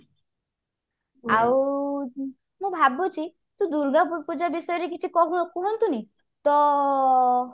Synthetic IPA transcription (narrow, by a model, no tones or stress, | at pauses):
awu | mũbʱabot͡ʃʰi | t̪ũd̪uɾɡapud͡ʒabisɔjɔɾek̬it͡ʃʰikɔkuɦɔnt̪uni | t̪ɔ